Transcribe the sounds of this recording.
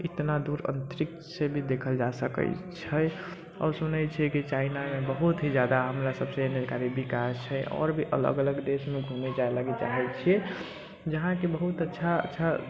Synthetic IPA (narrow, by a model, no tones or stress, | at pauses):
it̪nad̪uɾə̰̃nt̪ɾik | sebʱid̪ekʰəld͡ʒasəkə̰t͡ʃʰəj | ɔ̰ɾsunɛt͡ʃʰɛkit͡ʃainamebəɦut̪ɦid͡ʒjad̪aɦəmɾasəbseenekaɾibikast͡ʃʰɛjɔ̰ɾbʱiʔə̰lə̰ɡələɡd̪esmeɡʱumed͡ʒaelaɡet͡ʃa̰ɦɛt͡ʃʰijɛ | d͡ʒəɦãkebəɦut̪ətːʃʰaə̰tːʃʰa